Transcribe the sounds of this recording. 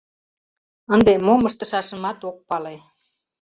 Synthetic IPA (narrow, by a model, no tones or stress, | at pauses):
ənd̪emoməʃt̪ə̆ʃɑʃəmɑt̪ok̚pɑle